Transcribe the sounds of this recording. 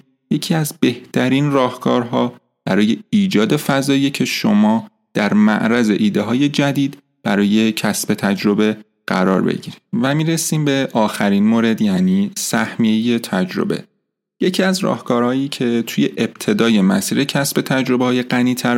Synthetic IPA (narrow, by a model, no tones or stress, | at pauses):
je̞cʰiːæzbe̞ht̪ʰæɾinrɒːhkʰɒːɾɦɒː | b̥æɾɒːje̞iːd͡ʒɒːd̪e̞fæzɒːjecʰe̞ʃomɒː | d̪̥æɾmæ̰ʔɾæze̞ʔiːd̪eɦɒːje̞d͡ʒæd̪iːd̪ | b̥æɾɒːje̞cʰæsbe̞t̪ʰæd͡ʒɾo̞be̞ | ɢ̥æɾɒ̰ːɾbḛɟiɾivæmiːɾesiːmbe̞ʔɒːxæɾinmoːɾe̞d̪jæniːsæhmijeje̞t̪ʰæd͡ʒɾo̞̰be̞̰ | je̞cʰiæzɾɒ̰ːhkʰɒːɾhɒːjiːcʰe̞t̪ʰuːjeʔeb̥̚t̪ʰe̞d̪ɒːje̞mæ̰siːɾecʰæsbe̞t̪ʰæd͡ʒɾo̞behɒːje̞ɢæniːt̪ʰæɾ